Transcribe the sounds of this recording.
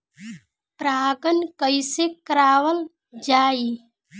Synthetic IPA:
pɾaːɡənkəjsekəɾaːwəl | d͡ʒaːi

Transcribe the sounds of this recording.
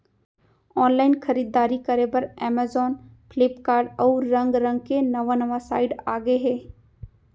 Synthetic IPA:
ɔːnlaːɪnxɐɾiːd̪ːaːɾikɐɾebɐɾɛːmaːzɔːnpʰlɪpkaːɾɖɔːɾɾɐ̃ŋɡɾɐ̃ŋɡ̚kenɐʋanɐʋasaːɪɖaːɡəeɦɛː

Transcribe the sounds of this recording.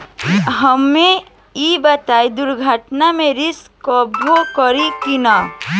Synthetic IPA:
ɦəme | jibət̪aid̪ʊɾɡʱəʈnamẽɾiskɔbʱokɔɾikina

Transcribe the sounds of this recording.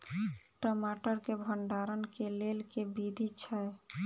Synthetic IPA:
ʈəmaʈəɾkebʱəɳɖaɾənkelelkebid̪ʱit͡ʃʰae

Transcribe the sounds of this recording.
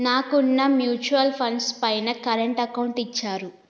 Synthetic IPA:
naːkunːɐmjuːt͡ʃuɐlpʰɐnspɐjnɐkɐɾeɳʈɐkɐwɳʈit͡ʃːaːɾu

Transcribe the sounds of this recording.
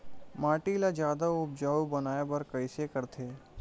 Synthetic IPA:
maːʈilad͡ʒjaːd̪aʊb̚d͡ʒaːubɐnaːebɐɾkɐɪsekɐɾt̪ʰeː

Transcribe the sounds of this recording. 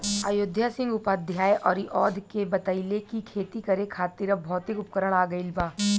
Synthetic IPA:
aːjʊd̪ʱjasɪ̃ŋɡʊpad̪ʱjaːjʔɔːɾiʔɔːd̪ʱkebɐt̪əilekikʰeːt̪ikɐɾekʰaːt̪ɪɾɐbʱɔːt̪ikʊpkəɾəɽ̃aːɡəɪlbaː

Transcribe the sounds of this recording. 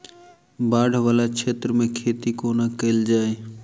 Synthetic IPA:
baːɖ̤ʱʋaːlakʰeːt̪ɾəmẽkʰeːt̪ikoːnakəɪld͡ʒaːe

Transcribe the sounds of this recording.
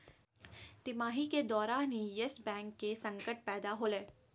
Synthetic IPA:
t̪ɪmaːɦiked̪ɔːɾaːnɦĩjesbɛ̃ːŋkːesɐ̃ŋkəʈ̚pɛːd̪aɦoːleː

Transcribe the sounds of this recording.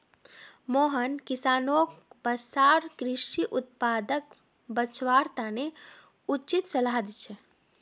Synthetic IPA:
moɦənkisaːnokbəsaɾkɾiʂiʔut̪̚pad̪ək̚ | bət͡ʃʋaɾt̪ane | ut͡ʃit̪̚t͡ʃəlad̪t͡ʃʰɛ

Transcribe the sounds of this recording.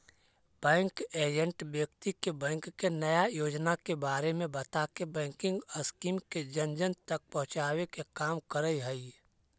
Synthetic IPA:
b̥ɛ̃ːŋkeːd͡ʒə̃ɳʈbjəkt̪ikebɛ̃ːŋkːenɐjajoːd͡ʒnakebaːɾemẽbɐt̪akebɛ̃ːŋkɪ̃ŋɡəskiːmked͡ʒɐnd͡ʒənt̪ɐk̚pɔɦʊ̃t͡ʃaːwekekaːmkəɾəiɦɛi

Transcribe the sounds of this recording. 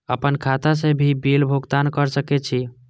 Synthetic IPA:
əpənkʰat̪asẽbʱibilbʱuɡt̪ankəɾsəkɛt͡ʃʰi

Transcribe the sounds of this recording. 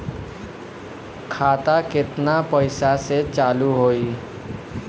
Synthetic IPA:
kʰaːt̪akɪt̪napəɪsaset͡ʃaːluɦoːi

